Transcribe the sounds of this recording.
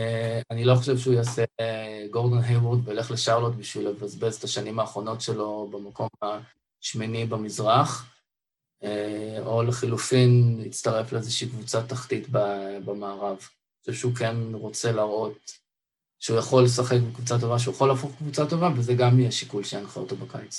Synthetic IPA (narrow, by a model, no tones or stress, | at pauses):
eanilo̞χoʃevʃeujaːseɡo̞ʁd̪onɦejbud̪veoleχleʃaʁlot̪biʃvilevazbezet̪aʃanimaːχʁo̞no̞tʃelo̞bemako̞ma | ʃminibamizʁaχ | eo̞leχilufinit͡st̪aʁe̞fleezeʃiːkvut͡sat̪aχtitbabamaːʁav | oʃevʃeukenʁo̞t͡se̞laʁo̞t̚ | ʃeujaχo̞lesaχekbekvut͡sat̬o̞vaʃ̬eujaχo̞laːfoχkvut͡sato̞vavezeɡamiaʃikulʃejanχao̰t̪obakajt͡sḁ